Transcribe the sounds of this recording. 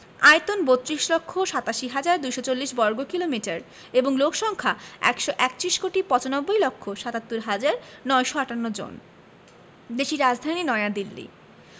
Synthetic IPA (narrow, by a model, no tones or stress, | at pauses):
ajt̪onbot̪ːɾiʃlokʰːoʃat̪aʃiɦad͡ʑaɾd̪ujʃot͡ɕolːiʃbɔɾɡokilomiʈaɾ | eboŋlokʰʃɔŋkʰaɛ̰kʃoʔɛkt̪ɾiʃkoʈipɔt͡ɕonɔbːojlokʰːoʃat̪at̪ːoɾɦad͡ʑaɾnɔjʃoaʈanːod͡ʑo̰n | d̪eʃiɾad͡ʑd̪ʱaninɔead̪ilːḭ